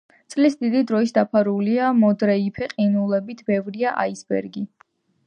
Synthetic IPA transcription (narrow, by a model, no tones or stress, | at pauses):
t̪sʼlisd̪id̪id̪ɾɔisd̪apʰaɾuliamɔd̪ɾɛipʰɛqʼinulˠɛbit̪ʰbɛvɾiaʔa̰isbɛ̰ɾɡi